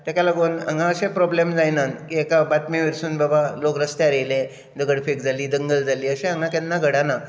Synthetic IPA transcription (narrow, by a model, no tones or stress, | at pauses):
t̪akalaɡonə̰ŋɡãəɕẽpɾɔblemd͡zajnãnkiekabat̪meʋiɾsuːnbabalokɾəst̪jaɾəjlẽ | d͡z̪əɡəɽfek̚d͡zʱaliːd̪əŋɡəld͡zʱaliːəɕẽɦəŋãkɛnːaɡʱəɽana